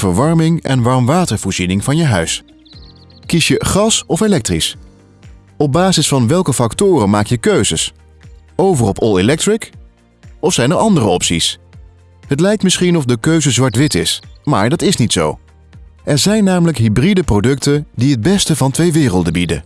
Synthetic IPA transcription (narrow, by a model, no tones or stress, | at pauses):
vəɹʋɑɹmɪŋɛ̰nʋɑɹmʋaːtəɹv̥ɔːɹz̥inɪŋvɑnjəɦœ̰ɥs | kisjəχɑsɔfelɛk̚trḭs | ɔb̚baːzɪsfɑnʋɛlˠkəfɑktʊːrənmaːkjəkøɥzəs | owvərɔpʰɔlˠelɛk̚trɪk | ɔfsɛjnəɹʔɑndərəɔpsḭs | ɦətlɛjk̚tmɪsχinɔfdəkøɥzəzʋɑɹtʋɪtɪsma̰ːɹdɑtɪsnitso̰w | ʔɛɹzɛjnːaːmələkɦibridəprodɵktəndiɦəd̚bɛstəvɑntʋejʋɪːrəlˠdəbidə̰